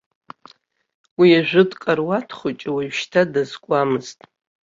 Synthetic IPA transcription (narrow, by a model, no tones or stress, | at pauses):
wiaʒᶣʷʊdʼqʼarwatʰχʷʊt͡ʃʼwiʃtʰadazkʷʼamɨztʼ